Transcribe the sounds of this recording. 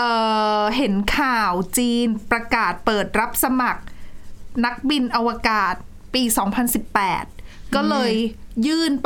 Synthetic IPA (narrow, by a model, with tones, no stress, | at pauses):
ʔɤː˨˩ɦe˩˦nkʰaː˨˩wt͡ɕiː˧npɾa˧kaː˨˩t̪̚pɤː˨˩t̪̚ɾa˦˥p̚sa˧ma˨˩k̚ | na˦˥k̚bi˧nʔa˧wa˧kaː˨˩t̪̚ | piː˧sɔː˩˦ŋpʰa˧nsi˨˩pːɛː˨˩t̪̚kɔː˥˩lɤː˧jjɯː˥˩np